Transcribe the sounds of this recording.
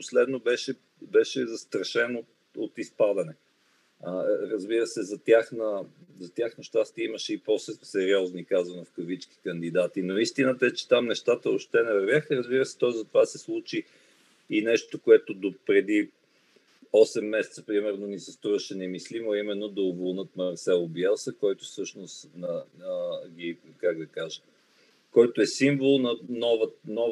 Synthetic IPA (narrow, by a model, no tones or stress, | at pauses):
poslɛd̪nobɛʃɛ | bɛʃɛzɐst̪ɾɐʃɛnot̪ | ot̪ispad̪ənɛ | əɾəzbiɾəsɛzɐt̪ʲjaxnəzɐt̪ʲjaxnəʃt̪ast̪iiməʃɛiposɛsɛɾiɔznikazənofkəvit͡ʃki̥kənd̪id̪at̪inoist̪inət̪ɛt͡ʃɛ̥t̪amnɛʃt̪at̪əoʃt̪ɛnɛvəɾvjaxəɾəzbiɾəsɛ̥t̪ɔizɐt̪ovasɛslˠut͡ʃiː | nɛʃt̪okoɛt̪od̪opɾɛd̪i | ɔsɛmːɛsɛ̥t̪sə̥pɾimɛɾnonisɛst̪ɾuɾəʃɛnɛmislimoɐimɛnːod̪ɐʊvolˠnɤt̪̚mɐɾsɛlˠobiɛlˠsəkɔjt̪ofsɤʃnost̪nəəɡʲikaɡ̚d̪ɐkaʒə | kɔjt̪oɛsiɱvolˠnɐnɔvənɔ